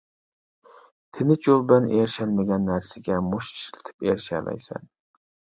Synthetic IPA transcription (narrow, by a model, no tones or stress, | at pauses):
t̪ʰɪnɪt͡ʃʰolbaneɾʃalmaɡʲanːæɾsɪɡʲamʊʃʃɪ̥lt̪ʰɪ̥peɾʃa̰la̰jsa̰n